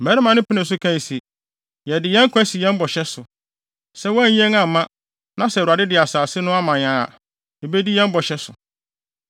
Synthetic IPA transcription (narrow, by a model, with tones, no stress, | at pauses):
æ˨ɾɪ˦mã˨˦nɪ̃˦pʰɪ˦nɪ̃˨s̬ʊ˦kʰæ̃˦˨si˨ | jɛ˨dɪ˨jɛ̃˦ŋ˦kʰʷæ̃˦si˨jɛ̃˦m˦bɔ˨ɕɛ˦sʊ˨ | sɛ˦wɔ˦æ˦˨ɲĩ˦ẽ˦ŋã˨m̩˨mã˦ | nã˦sɛ˨a˨dɪ˦dɪ˨a˨saː˨sɪ˦nʊ̃˦a˦mã˨ɲã˨a̰˨ | e˨be˦di˦jɛ̃˦mbɔ˨ɕɛ˦sʊ˨